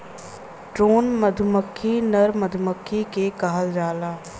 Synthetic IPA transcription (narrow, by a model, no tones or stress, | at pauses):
ʈɾoːnməd̪ʱʊməkʰːinɐɾməd̪ʱʊməkʰːikekɐɦəld͡ʒaːlaː